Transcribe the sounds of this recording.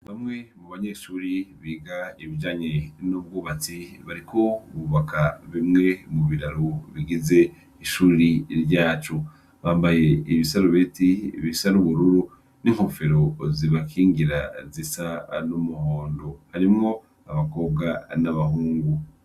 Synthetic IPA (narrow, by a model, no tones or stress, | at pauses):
βamŋe̞muβaɲeʃuːɾiβiːɡaiβid͡ʒaːɲe̞nub̚ɡuːβat͡siβaɾikʰoβuβakʰaβimŋe̞muβiɾaɾuβiɡize̞ | iʃuːɾiɾjaːt͡ʃu | βaːmbaje̞iβisaɾuβetḭβisaɾuβuɾuɾu | niŋ̥ho̞fe̞ɾo̞ziβakʰiːŋɡiɾazisanumuhoːndo̞haɾimŋo̞ | aβako̞ːbɡanaβaɦuːŋɡu